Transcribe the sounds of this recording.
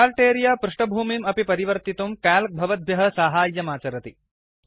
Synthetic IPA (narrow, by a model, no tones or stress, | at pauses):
aːlʈeːɾijaːpɾuʂʈɐbʱuːmimɐpipɐɾiʋɐɾt̪it̪umkaːlk̚bʱɐʋɐd̪̚bjɐɦɐ̆saːɦaːjːɐmaːt͡ʃɐɾɐt̪i